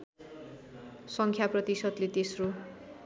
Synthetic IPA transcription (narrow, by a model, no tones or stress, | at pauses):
sʌŋkʰjaprʌt̪isʌd̪let̪esro